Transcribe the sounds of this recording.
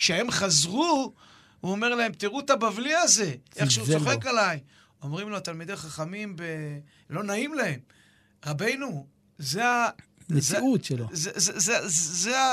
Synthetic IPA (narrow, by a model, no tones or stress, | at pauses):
kʃehe̞mχazʁu | uomeʁlae̞mt̪iʁut̪abavliaze̞eχʃeut͡soχekalaj | o̞mʁimloat̪almid̪ejχaχamimbe | lo̞naimlahe̞m | ʁabe̞jnu | zea | nezut̪ʃelozezezezzea